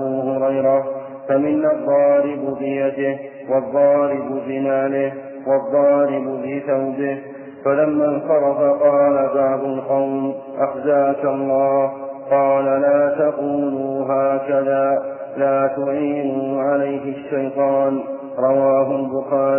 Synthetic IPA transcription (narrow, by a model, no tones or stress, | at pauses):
buːhʊɾajɾa | famɪnɑðˤːɑːɾɪbbɪjad̪ɪh | wɑðˤːɑːɾɪbʊbɪnaːlɪh | wɑðˤːɑːɾɪbʊbɪθawbɪh | falamːansɑɾˤɑfaqɑːlabaʕb̪ʊlqɑwm | ʔaxzaːkalˤːɑːhqɑːlalaːt̪aquːnuːɦaːkaðaː | laːt̪ʊʕiːnuːʕalajɦɪaʃːajt̪ˤɑːn | ɾˤɑwaːɦʊlbʊxaːɾ